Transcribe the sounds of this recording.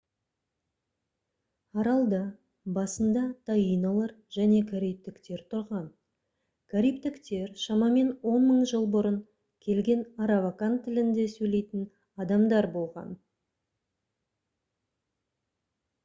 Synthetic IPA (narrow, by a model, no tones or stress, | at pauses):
ɑɾɑlˠd̪ɑ | bɑsənd̪ɑt̪ʰajijnɑlˠɑɾ | ʒ̥æne̞kʲʰaɾijp̚t̪ɪkt̪e̞ɾt̪ʰʊɾʁɑn | kʲʰaɾijp̚t̪ɪkt̪e̞ɾʃɑmɑme̞nwo̞nməɴʒəlˠbʊɾəŋ | kʲʰe̞lɡʲe̞nɑɾavakant̪ʰːɪlɪnd̪e̞sɵjle̞jt̪ɪn | ɑd̪ɑmd̪ɑɾbo̞lˠʁɑ̰n